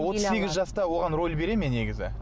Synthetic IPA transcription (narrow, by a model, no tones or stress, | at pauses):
wo̞t̪əeɡʲɪzʒɑst̪ɑwo̞ʁɑnɾo̞lʲbe̞ɾe̞me̞ne̞ɡʲɪzɪ̰